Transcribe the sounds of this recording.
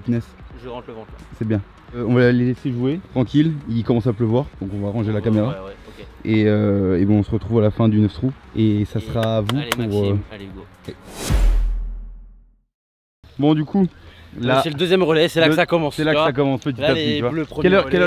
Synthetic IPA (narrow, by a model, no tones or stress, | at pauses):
it̪nɛsʒʁɑ̃ləvɑ̃sɛbjɛ̃ | øɔ̃valaleleseʒuet̪χɑ̃kʲililikɔmɑ̃sapləvwaʁd̪̥ɔ̃kɔ̃vaʁɑ̃ʒelakameʁa | eøebɛ̃ɔ̃səʁət̪χuvalafɛ̃d̪ynəft̪χuesasχaːvupuʁø | wɛ | bɔ̃d̪ykʰulaɛləd̪øzjɛmʁəlɛsɛlasakɔmɑ̃ssɛlakəsak̬ɔmɑ̃spət̪iiapt̪ivalpχkɛlœʁkɛl